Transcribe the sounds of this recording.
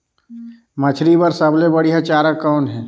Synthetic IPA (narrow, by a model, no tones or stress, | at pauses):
mət͡ʃʰɾibəɾsəblebəɽijat͡ʃaːɾəkːɔːnɦɛ̃ː